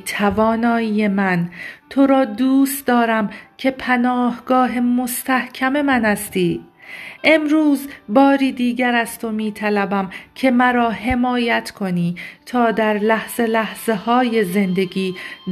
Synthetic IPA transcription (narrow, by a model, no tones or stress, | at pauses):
t̪ʰævɒːnɒːijemænt̪ʰo̞ɾɒːd̪uːst̪d̪ɒːɾæmcʲʰe̞pʰænɒːhɡɒːɦe̞mo̞st̪ʰæhcʰæme̞mænæst̪ʰiːʔe̞mɾuːzbɒːɾiːd̪iːɟæɾæst̪ʰo̞miːt̪ʰælæbæmcʰe̞mæɾɒːɦe̞mɒːjæt̪ʰkʰo̞niːt̪ʰɒːd̪æɾlæhz̥e̞læhz̥e̞hɒːje̞ze̞nd̪e̞ɡiː